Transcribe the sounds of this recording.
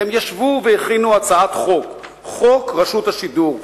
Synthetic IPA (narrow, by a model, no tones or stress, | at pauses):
emjaʃvuveeχinuat͡saat̪χok | χokʁaʃut̪haʃid̪uʁ